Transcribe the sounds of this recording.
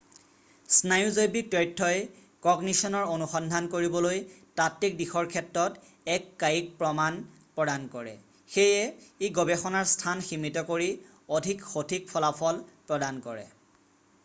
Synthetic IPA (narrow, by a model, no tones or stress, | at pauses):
snajuzojbik̚tɹetʰːɔj | kɔɡnisɔnɔɹonuxɔndʱankoɹibɔlojtatːik̚dixɔɹkʰɛtɹɔt | ɛkːajik̚pɹɔman | pɹɔdankɔɹɛ̰ | xejɛeɡɔbɛxɔnaɹstʰanximitɔkoɹi | odʱikxotʰik̚pʰɔlapʰɔlpɹɔdankɔɹɛ̰